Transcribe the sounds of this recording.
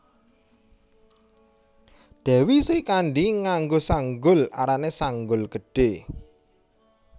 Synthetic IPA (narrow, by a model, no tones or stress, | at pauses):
d̪̥ɛ̤wisɪkanɖiŋaŋɡosaŋɡʊla̰ɾanesaŋɡʊlɡəɖ̥e